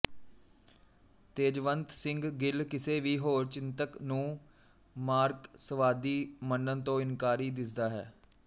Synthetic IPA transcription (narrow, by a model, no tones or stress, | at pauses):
t̪eːd͡ʒʋənt̪sɪ̃ŋɡɡɪlkɪseːʋiːɦoːɾt͡ʃɪnt̪əknũː | maːɾksəʋaːd̪iːmənːənt̪õːɪnkaːɾiːd̪ɪsd̪aːɦɛ̰ː